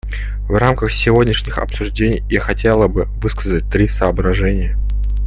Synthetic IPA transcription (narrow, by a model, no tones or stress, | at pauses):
vramkəxsʲɪvo̞dʲnʲɪʂnʲɪxɐ̰psʊʐdʲenʲɪjːaxɐtʲelˠəbɨvɨskəzət̚ʲt̪ɾʲisəːbɾɐʐɛnʲɪjə